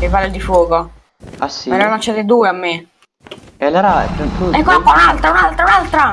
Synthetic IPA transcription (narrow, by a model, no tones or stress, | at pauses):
evalːed̪ifwɔːko | asiɛɾɾalant͡ʃːaːt̪ed̪uːeamːe | ɛlɛɾaɛ̰ɛsuɛkːonampːɔunalt̪ɾaunalt̪ɾaunalt̪ɾa